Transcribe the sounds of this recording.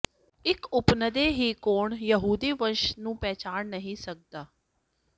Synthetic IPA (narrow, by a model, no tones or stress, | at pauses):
ɪkʊpnəd̪eːɦiːkoːɳjəɦuːd̪iːʋənʃnũːpɛːt͡ʃaːnnəɦĩːsək̚d̪aː